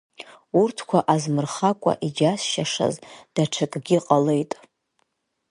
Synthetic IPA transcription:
urtʰkʷʰaʔazmɨrχakʷʼa̰ʔid͡ʒasʃaʂa̰zd̥aʈ͡ʂʰakʼɡʲiqʼale̞jtʼ

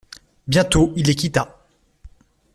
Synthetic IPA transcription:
bjɛ̃t̪oilːekʲit̪a

